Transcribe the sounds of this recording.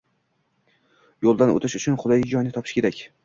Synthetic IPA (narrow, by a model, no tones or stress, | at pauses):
jolˠd̪ano̰t̪ʰɪʃʊt͡ʃʰʊnχʊd̪ajd͡ʒɒjnɪt̪ʰɒpʰɪ̥ʃkʲʰe̞ɾakʲ